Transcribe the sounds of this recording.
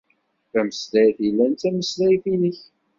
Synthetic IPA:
θæməslæjθilːænt̪æməslæjθinəç

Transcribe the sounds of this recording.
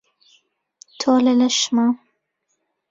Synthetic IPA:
t̪ʰoːlɐlɐʃmaː

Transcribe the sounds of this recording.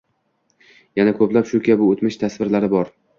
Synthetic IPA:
janakʰɵplapʃʊkʲʰabɪot̪mɪʃt̪ʰasvɪɾlaɾɪbɒɾ

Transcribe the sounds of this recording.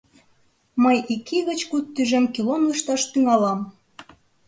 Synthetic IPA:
məjikʰiɣə̆t͡ɕkut̪ːyʒemkilonuʃt̪ɑʃt̪yŋɑlɑm

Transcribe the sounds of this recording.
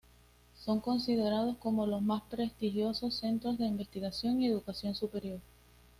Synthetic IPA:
so̞ŋko̞nsið̞e̞ɾað̞o̞sko̞mo̞lo̞smaspɾe̞st̪ixjo̞so̞sːe̞nt̪ɾozðe̞imbe̞st̪iɣasjo̞ŋie̞ðukasjo̞nsupe̞ɾjo̞ɾ

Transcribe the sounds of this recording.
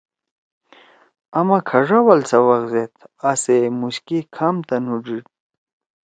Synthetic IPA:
ɐmakʰɐʐɐwɐlsɐwɐɣzet̪ʰasemuɕkikʰamt̪ɐnuʐiʈ

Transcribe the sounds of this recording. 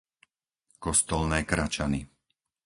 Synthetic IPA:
kɔst̪ɔlnɛːkɾat͡ʃani

